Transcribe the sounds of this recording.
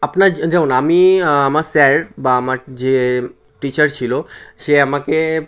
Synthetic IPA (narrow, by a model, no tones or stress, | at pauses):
apnad͡ʑaunaamiamaɾsɛɾbaamaɾd͡ʑe | ʈit͡ɕəɾt͡ɕʰiloʃeamake